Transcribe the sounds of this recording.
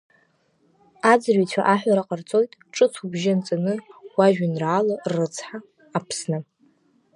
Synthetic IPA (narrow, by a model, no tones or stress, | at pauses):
ad͡zrɥit͡ɕʷʰa̰ʔaħʷᶣaɾaqʼart͡sʼo̞jtʼʈ͡ʂʼɨt͡sʰubʒant͡sʼanɨwaʒᶣanraːlarːɨt͡sʰħaː | pʰsnɨ